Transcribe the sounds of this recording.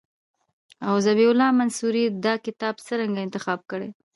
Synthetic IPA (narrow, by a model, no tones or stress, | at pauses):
awzabiʊlɑmansuɾid̪ɑkɪt̪ɑbt͡səɾaŋɡaɪnt̪ɪxɑb̚kəɽe